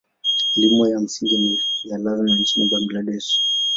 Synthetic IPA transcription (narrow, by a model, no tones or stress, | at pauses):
limwɔjam̩siŋɡimijalazmin̩t͡ʃinibamɡlaɗɛʃ